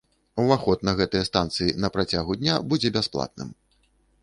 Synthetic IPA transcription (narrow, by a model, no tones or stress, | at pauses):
waxɔt̪̚nɐɣɛt̪ɨjɐst̪ant̪sɨjinɐpɾat͡sʲaɣud̪ʲnʲabud͡zʲɛbʲasplˠa̰t̪̚nɨ̰m